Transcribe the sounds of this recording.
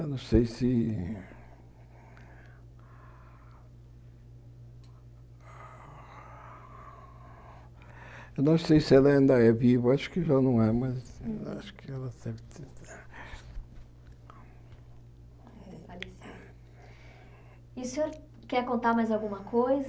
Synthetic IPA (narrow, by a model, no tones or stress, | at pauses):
ewnɐ̃w̃sejsɪ | ewnɐ̃w̃sejsɪɛlɐɐ̃nd̪aɛvivɐaʃʊ̥kɪʒanɐ̃w̃ɛmɐza̰ʃʊ̥kɪɛlɐsɛvt̪ | falis | iusẽoɾ | kɛɾkõnt̪aɾmajzawɡũmɐkʰojz